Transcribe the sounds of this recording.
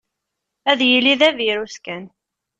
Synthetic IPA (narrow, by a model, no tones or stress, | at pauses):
æðjəlːiðæviɾuskæn